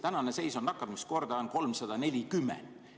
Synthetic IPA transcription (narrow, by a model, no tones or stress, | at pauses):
t̪ænɑnese̞jso̞nːɑkːˑɑd̪misko̞rd̪ɑonko̞lmsɑd̪̥ɑne̞lʲikymːɛ̰nd̥̪